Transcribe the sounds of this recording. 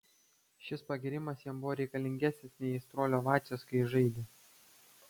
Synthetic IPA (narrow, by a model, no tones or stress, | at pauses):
ʃʲɪspɐɡʲɪɾʲɪmɐsjiɛmbʊʋoːɾʲɛɪkɐlʲɪŋʲɡʲæːsʲnʲɪsnʲɛɪɪst̪ɾoːlʲoːʋɑːt͡ʃʲoskɐɪʒɐɪd̪ʲe